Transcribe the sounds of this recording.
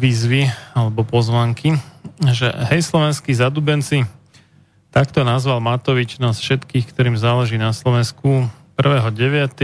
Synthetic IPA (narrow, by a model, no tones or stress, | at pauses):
ʋiːzʋialɛbɔpɔzʋaŋkiʒɛ̰ɦɛjslɔʋɛnskizad̪uːbɛnt͡si | t̪akt̪ɔnazʋalmat̪ɔʋit͡ʃnaːsfʃɛt̪kiːxkt̪ɔɾiːmzaːlɛʒiːnaslɔʋɛnskupr̩ʋɛːɦɔɟɛʋɪat̪ɛ